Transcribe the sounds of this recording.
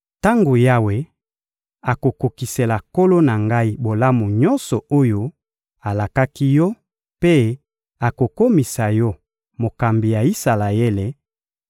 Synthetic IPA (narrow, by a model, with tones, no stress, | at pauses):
ta˦ŋɡo˨ja˦we˨ | a˨ko˨ko˨ki˨se˨la˨ko˦lo˦na˨ŋɡa˦i˦bo˨la˦mu˨ɲɔ˦nsɔ˨o˦jo˦ | a˨la˨ka˦ki˦jɔ˦ | pe˦ | a˨ko˨ko˦mi˨sa˨jɔ˦ | mo˨ka˨mbi˨ja˨i˦sa˨la˨e˦le˨